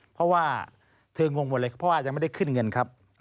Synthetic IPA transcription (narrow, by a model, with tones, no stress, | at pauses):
pʰɾɔ˦˥waː˥˩ | t̪ʰɤː˧ŋo˧ŋm˨˩t̚lːkpʰːɔ˦wa˧˨˩t͡ɕa˧˨ma˥˩˧a˥˩jkʰɯ˥˩nŋɤ˧nkʰa˦˥p̚